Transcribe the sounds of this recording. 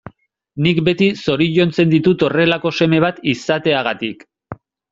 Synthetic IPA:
nikbe̞t̪iso̞ɾiʝo̞nt͡se̞nd̪it̪ut̪o̞re̞lako̞se̞me̞β̞at̪isat̪e̞aɣat̪ik

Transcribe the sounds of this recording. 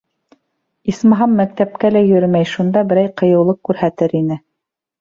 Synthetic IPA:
ismɑɦɑmːæk̚t̪æp̚kælæjɵ̆ɾɘmæjʃund̪ɑbɘ̆ɾæjqɤ̆jɤ̆wlˠɤq̚kːʉɾhæt̪ɘɾinɘ

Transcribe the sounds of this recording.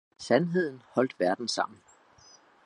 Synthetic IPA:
sænɦe̝ð̞̰ˠn̩hɒ̽l̰d̥ʋæɐd̥n̩sɑ̈m̰n̩

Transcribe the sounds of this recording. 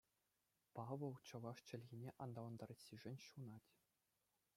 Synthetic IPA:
pɑʋɤ̆lˠt͡ɕɤ̆ʋɑʂt͡ɕɘ̆lʲɣʲinʲeʔɑnd̪ɑʋɤ̆nd̪ɑɾɑ̆sʲiʐɘ̆nʲɕunɑtʲ

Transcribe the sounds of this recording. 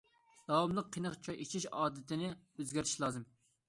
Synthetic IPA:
d̪̥ɑwɑmlˠəqʰːinəχt͡ʃʰɑjʔit͡ʃʰiʃɑːd̪ɨt̪ʰɪnɪøzɡʲæɾiʃlˠɑːzɨm

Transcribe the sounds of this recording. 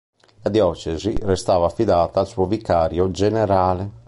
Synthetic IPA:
lad̪jɔt͡ʃɛzirɛst̪aːvaːfiðaːt̪aːlsuovikːaːɾjod͡ʒɛnɛɾaːlɛ

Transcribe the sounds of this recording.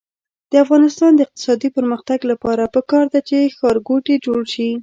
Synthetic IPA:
d̪̥əafɣɑnɪst̪ɑnd̪əɪq̚t̪ɪ̥sɑd̪ipəɾməxt̪aɡlapɑɾapəkɑɾd̪at͡ʃexɑɾɡoʈed͡ʒoɽʃi

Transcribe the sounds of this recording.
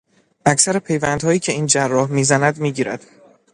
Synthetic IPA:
ʔæcʰsæɾepʰe̞jvænd̪̥hɒːjiːcʰe̞iːnd͡ʒærːɒːhmiːzænæd̪miːɟiːɾæ̰d̪̥

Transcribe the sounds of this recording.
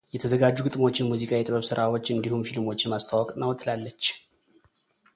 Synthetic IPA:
jɛt̪ʰəzəɡad͡ʒːuɡɨt̪ʼmo̞t͡ʃːɪnmuzikʼawjɛt̪ʼβəβsɨɾawot͡ʃːɨnd̪ihumfilmo̞t͡ʃːɪnmast̪ʰawɔkʼnawɔt̪ːlalːət͡ʃː

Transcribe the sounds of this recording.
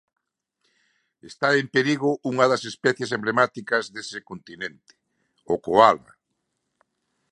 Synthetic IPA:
est̪aempeɾiɣʊʔuŋɐðɐsespɛθjes̬emblemat̪ikɐzðesekont̪inẽnt̪ɪ̥ | okoalβa̰

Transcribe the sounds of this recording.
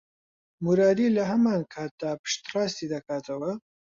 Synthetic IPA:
muɾaːd̪ilɐɦɐmankʰaːt̪̚d̪aːpɨ̥ʃt̪rɑːst̪id̪ɐkʰaːt̪ʰɐwɐ

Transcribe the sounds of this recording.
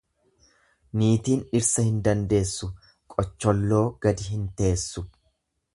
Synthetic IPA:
niːt̪iːnɪɾsɐhɪnd̪ɐnd̪e̞ːsːʊ | kʼɔt͡ʃːɔlːo̞ːɡ̥ɐd̪ɪɦɪnt̪e̞ːsːʊ

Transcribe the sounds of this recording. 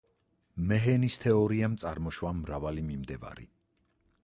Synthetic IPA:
mɛɦɛnist̪ʰɛɔɾiamt̪sʼaɾmɔʃwamɾavalimimd̪ɛva̰ɾḭ

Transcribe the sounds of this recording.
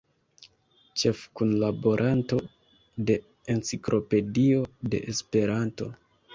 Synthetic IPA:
t͡ʃe̞fkunlabo̞ɾʔanto̞ | de̞ | ent͡sikɾʔo̞pe̞dio̞de̞̰ʔespe̞ɾanto̞

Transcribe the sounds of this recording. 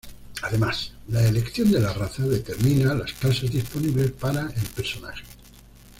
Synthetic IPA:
aðe̞maslaele̞kθjond̪elaraθaðe̞t̪eɾmĩnalaskasazðisponiβle̞spaɾaelpeɾsona̰xe̥

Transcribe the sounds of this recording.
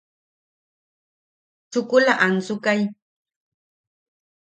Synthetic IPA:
t͡ʃʊkʊlaʔant͡sʊkaj

